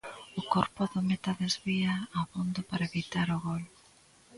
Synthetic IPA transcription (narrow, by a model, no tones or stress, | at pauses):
ʊkoɾpʊðomet̪aðezβiaːβond̪opaɾaeβit̪aɾoɣol